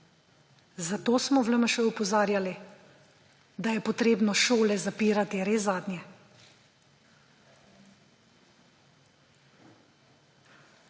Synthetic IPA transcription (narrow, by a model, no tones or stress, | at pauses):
zat̪oːsmɔʋləməʃəɔpɔzaːɾjali | d̪ajɛpɔt̪ɾeːbnɔʃoːlɛzapiːɾat̪iɾeːzaːd̪njɛ